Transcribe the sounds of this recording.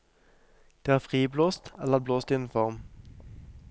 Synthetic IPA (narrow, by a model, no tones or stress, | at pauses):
d̪̥eːæːfʁiːbloːst̪ɛləəʁbloːst̪iːn̩fɔʁm